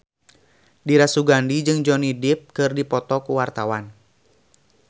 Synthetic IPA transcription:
diɾasuɡandid͡ʒɨŋd͡ʒɔnidɪp̚kɨrdipɔt̪ɔkuwart̪awan

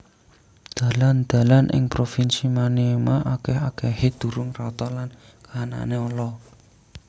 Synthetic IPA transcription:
d̪̥ä̤land̪̥ä̤lanʔɪ̰ŋpɾofinsimaneemaʔakɛhakɛhed̪̥ṳɾʊŋrɔt̪ɔlan | kana̰neɔlɔ

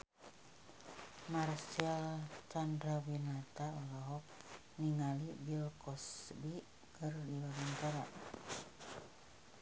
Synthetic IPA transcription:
marsialt͡ʃandɾawinat̪aalaɦɔk̚ | niŋalibilkɔsbi | kərdiwalant̪aɾa

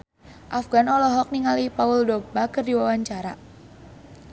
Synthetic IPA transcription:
ʔafɡ̥anɔlɔɦɔk̚niŋalipaʊldɔbakərdiwawaɲt͡ʃaɾa

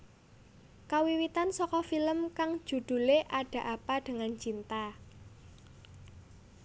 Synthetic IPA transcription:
kawiwit̪ansɔkɔfiləmkaŋ̥ʒ̥ṳd̪̥ṳleʔaɖ̥ä̤ʔapaɖ̥əŋant͡ʃint̪a

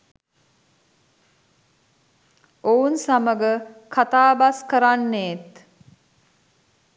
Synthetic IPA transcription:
ounsaməɡəkʰat̪aːbaskəɾanːeːt̪

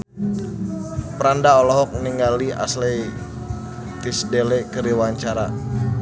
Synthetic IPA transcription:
pəɾandaolɔɦɔk̚niŋɡalia̰slɛ | t̪isdelɛkəɾiwaɲt͡ʃaɾa̰

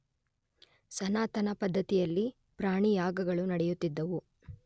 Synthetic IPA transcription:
sɐnaːt̪ɐnɐpɐd̪ʱːɐt̪ijɐlːi | pɾaːɳijaːɡɐɡɐɭunɐɽɛjut̪ːid̪ːɐʋu

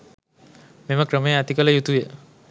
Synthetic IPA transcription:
meməkɾəməjəat̪ikələjut̪ujə

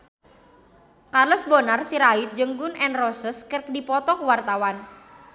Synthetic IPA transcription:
karlɔsbonarsiɾait̪̚d͡ʒəŋɡʊnʔɛnrɔsəskərk̚dipɔt̪ɔkwart̪awan

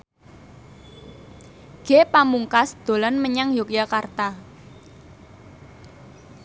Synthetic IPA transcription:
ɡ̥epamuŋkasd̪̥o̤lanməɲaŋjokjakart̪a

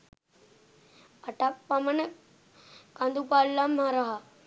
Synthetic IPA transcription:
ɐʈak̚pamənə | kãnd̪upaːlːamãɾaɦa

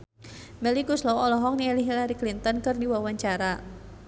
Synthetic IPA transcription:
mɛlikuslɔɔlɔɦɔk̚niɛliɦilaɾiklint̪ɔnkɨrdiwawaɲt͡ʃaɾa

